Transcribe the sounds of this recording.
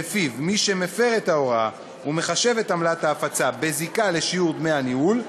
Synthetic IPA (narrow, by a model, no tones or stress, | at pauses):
efivmiʃe̞me̞fe̞ʁetao̞ʁa | ume̞χaʃe̞ve̞tamlat̪haːfat͡sabe̞zikale̞ʃijuʁdmeaniul